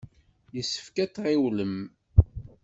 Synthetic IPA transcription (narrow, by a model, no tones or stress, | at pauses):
jəsːə̥fkæt͡sːʁɪwləm